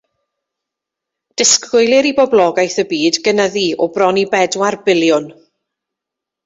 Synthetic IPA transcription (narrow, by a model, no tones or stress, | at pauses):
d̥ɪskʊjlˠɪɾibɔblˠɔɡajθəbiːdɡənaðiɔbrɔnibɛdwarbɪlˠjʊn